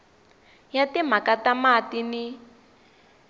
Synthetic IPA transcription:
jatim̤akatamatini

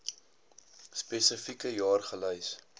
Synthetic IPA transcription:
spesəfikəjɑːrχələjs

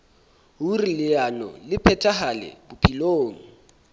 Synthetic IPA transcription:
ɦurilɪanɔ̰lɪpʰɛtʰʼaɦalɛ̰bʊpʰʼiloːŋ̩

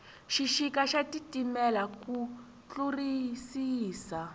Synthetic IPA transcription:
ʃiʃikaʃatitimɛlaku | t͡ɬurisiːsa

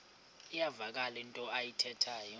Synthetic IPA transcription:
ijavak̬ʼalintʼɔajitʰɛtʰaːjɔ

